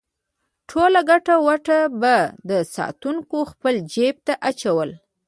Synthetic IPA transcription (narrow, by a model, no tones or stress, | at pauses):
ʈʰolaɡaʈawaʈabad̪əsɑ̰t̪uŋkoxpəld͡ʒeb̚t̪aʔat͡ʃawəl